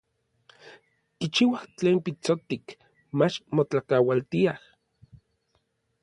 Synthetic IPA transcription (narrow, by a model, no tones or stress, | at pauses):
kit͡ʃiwaht͡ɬeːmpit͡sot̪ik | mat͡ʃmot͡ɬakawalt̪iah